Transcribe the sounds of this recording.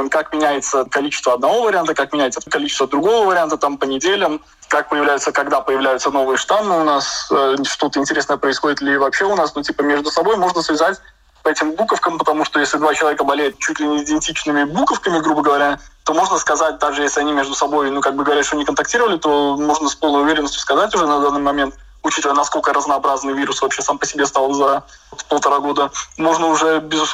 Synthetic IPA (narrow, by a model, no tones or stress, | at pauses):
kakmʲɪnʲæjɪt̪səkɐlʲit͡ɕɪ̥st̪vəɐd̪nɐvo̞vəɾʲɪant̪əkak̚mʲɪnʲæjɪt̪səəkɐlʲit͡ɕɪst̪vəd̪ɾʊɡo̞vəvəɾʲɪant̪ət̪ampənʲɪdʲelʲəm | kak̚pəjɪvlʲæjʊt̪səkɐɡd̪apəjɪvlʲæjʊt̪səno̞vɨjəʂt̪anːɨʊnasəʂt̪o̞t̪əɪnʲtʲɪɾʲe̞snəjəpɾəɪsxo̞dʲɪt̪lʲɪvɐpɕːeʊnasnotʲipəmʲeʐd̪ʊsɐbo̞jmo̞ʐnəsvʲɪzatʲ | pəɛtʲɪmbukəfkəmpət̪ɐmuʂt̪o̞jesʲlʲɪd̪vat͡ɕɪlˠɐvʲekəbɐlʲejɪt̪t͡ɕutʲlʲɪnʲɪːdʲɪnʲtʲit͡ɕnɨmʲɪbukəfkəmʲɪɡɾubəɡəvɐɾʲat̪o̞mo̞ʐnəskɐzat̚ʲd̪aɡʐɨjesʲlʲɪɐnʲimʲe̞ʐd̪ʊsɐbo̞jnukaɡ̚bɨɡəvɐɾʲat̪ʂt̪onʲɪkənt̪ɐk̚tʲiɾəvəlʲɪt̪o̞mo̞ʐnəspolˠnəjʊvʲeɾʲɪnːəsʲtʲʊ̥skɐzatʲʊʐɛnɐd̪anːɨjmɐmʲe̞nt̪ | ʊt͡ɕit̪əvəjənɐsko̞lʲkəɾəznɐːbɾaznɨjvʲiɾʊsvɐpɕesampəsʲɪbʲest̪alˠəvzɐɾ | t̪pəlˠt̪ɐɾaɡo̞d̪əmo̞ʐnəʊʐɛbʲɪzʊs